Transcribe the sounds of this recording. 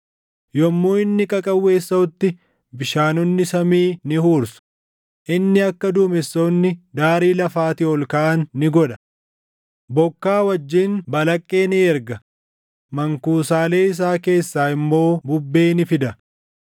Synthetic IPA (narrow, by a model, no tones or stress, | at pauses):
jɔmːoːɪnːɪkʼɐkʼɐwːe̞ːsːɐʊt̪ːɪ | bɪʃaːnɔnːɪsɐmiːnɪhuːɾsʊ̥ | ʔɪnːɪɐkːɐd̪uːmɛsːonːɪd̪aːɾiːlɐfaːt̪ɪɔlkaʔɐnːɪɡɔᶑɐ̥ | bɔkːaːwɐd͡ʒːiːnbɐlɐkʼːe̞ːnɪɛɾɡɐ | mɐŋkuːsaːle̞ːɪs̬aːke̞ːsːaːɪmːo̞ːbʊbːe̞ːnɪfɪd̪ɐ